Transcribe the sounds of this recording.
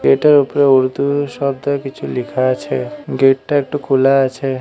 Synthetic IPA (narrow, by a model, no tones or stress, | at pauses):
ɡeʈeɾupɾeuɾd̪ʱuʃɔb̚d̪ɔkit͡ʃʰulikʰat͡ʃʰeɡeʈ̚ʈaek̚ʈukʰulaːt͡ʃʰe